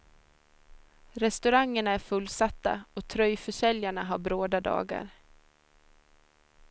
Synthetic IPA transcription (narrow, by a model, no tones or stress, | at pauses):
ɾɛst̪ɵɾaŋːəɳaæɾfɵlːsat̪ːa̰ɔt̪ʰɾœjfœʂɛljaɳaɦaɾbɾoːd̪ad̪ɑ̰ːɡa̰ɾ